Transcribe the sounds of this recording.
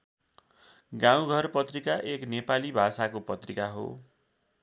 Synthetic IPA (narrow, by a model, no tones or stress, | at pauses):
ɡãw̃ɡʱʌrpʌt̪rikaʔeknepalibʱasakopʌt̪rikaɦo̰